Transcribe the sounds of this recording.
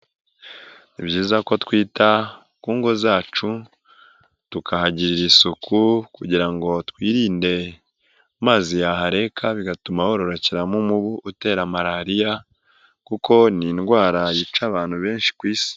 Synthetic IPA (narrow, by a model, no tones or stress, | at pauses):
ibɟiːzako̞twiːta | kuːŋɡo̞zaːt͡ʃu | tukʰahaɟiɾiɾisukʰukuɟiɾaŋɡo̞twiːɾiːnde̞ | maːzijaɦaɾe̞kʰaβiɡatumaho̞ɾo̞ɾoceɾamumuβuʔute̞ːɾamaɾaɾija | kuko̞ninɡwaːɾajit͡ʃaβaːn̥huβe̞ːnʃi̥kwiːsi̥